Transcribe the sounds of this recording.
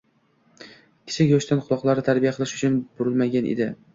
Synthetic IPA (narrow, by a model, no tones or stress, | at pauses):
kʲʰɪ̥t͡ʃʰɪkʲjoʃt̪ʰanqʰʊlˠɒqlˠaɾɪt̪ʰaɾbijaqʰɨlˠɪʃʊt͡ʃʰʊnbʊɾɪlmaɡʲanʔḛd̪ɪ